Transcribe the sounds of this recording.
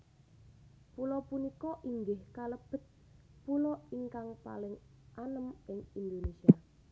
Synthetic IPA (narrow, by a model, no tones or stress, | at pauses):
pulɔpunikɔʔiŋɡɪhkaləb̥ə̤t̪̚ | pulɔiŋkaŋpa̰lɪŋʔanəmɪŋind̪onesia